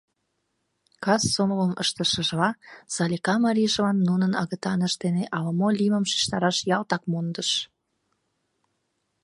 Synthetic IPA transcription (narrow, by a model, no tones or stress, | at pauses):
kɑsːomləmə̰ʃt̪əʃəʒlɑsɑlʲikɑmɑɾʲiʒovɑnːunənɑ̰ɣət̪ɑnəʃt̪eneʔɑləmolʲiməmʃi̥ʃt̪ɑɾɑʃjɑlt̪ɑkmond̪əʃ